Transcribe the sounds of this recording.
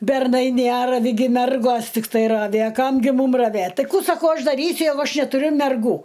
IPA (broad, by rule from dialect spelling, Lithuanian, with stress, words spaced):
bʲɛrˈnɐɪ ˈnʲærɐʋʲɪ ɡʲɪ ˈmʲɛrɡoːs tʲɪkˈtɐɪ ˈrɑːʋʲɪ ɐ ˈkɐm ɡʲɪ ˈmuːm rɐˈʋʲeːt ˈtɐɪ ˈkuː sɐˈkɐʊ ˈɐʃ dɐˈrʲiːsʲʊ ˈjɛɪɡʊ ˈɐʃ nʲɛtʊˈrʲʊ mʲɛrˈɡuː